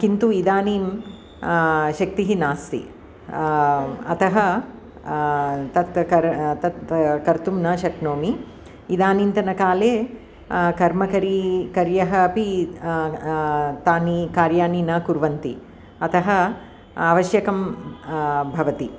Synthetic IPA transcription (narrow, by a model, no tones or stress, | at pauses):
kint̪uid̪aːniːm | ʃɐk̚t̪iɦinaːst̪ḭ | ɐ̰t̪ɐɦɐ | t̪ɐt̪kɐɾt̪ɐt̪kɐɾt̪umnaːʃɐknoːmiː | d̪aːniːnt̪ɐnɐkaːleː | kɐɾmɐkɐɾikɐɾjɐɦɐːpi | t̪aːnikaːɾjaːniːnaːkuɾʋɐnt̪i | ɐt̪ɐɦɐ | aːʋɐʃjɐkɐm | bʱɐʋɐt̪i